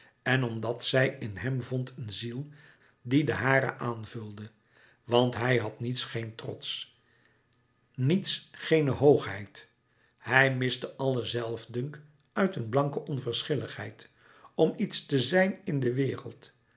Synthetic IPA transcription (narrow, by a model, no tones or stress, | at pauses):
ɛnɔmdɑtsɛjɪnɦɛmvɔntʰənzilˠ | didəɦaːɾə̰ʔaːnvɵlˠdə | ʋɑntɦɛjɦɑtnitsχejntrɔ̰ts | nitsχejnəɦowχɦɛ̰jt | hɛjmɪstəʔɑlˠəzɛlˠvdɵŋk | œɥtənblɑŋkəʔɔnvəɹsχɪləχɦɛ̰jt | ɔmitstəzɛjnɪndəʋɪːrəlˠt